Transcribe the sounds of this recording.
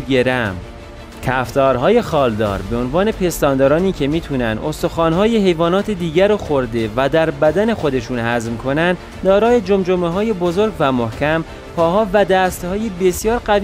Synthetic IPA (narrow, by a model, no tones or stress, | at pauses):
eɾæm | cʰæft̪ʰɒːɾɦɒːje̞xɒːld̪ɒ̰ːɾbe̞onvɒːne̞pʰe̞st̪ɒːnd̪ɒːɾɒːniːcʰe̞miːt̪ʰuːnænd̪ost̪oxɒːnɦɒːjeɦe̞jvɒːnɒːt̪ʰed̪iːɟæɾoxoɾd̪e̞væd̪æɾbæd̪æne̞xo̞d̪e̞ʃuːnhæzmkʰo̞nænd̪ | d̪ɒːɾɒːjed͡ʒomd͡ʒomeɦɒːje̞bozoɾɡvæmohcʰæm | pʰɒːɦɒːvæd̪æst̪hɒːjebe̞sijɒːɾɢæv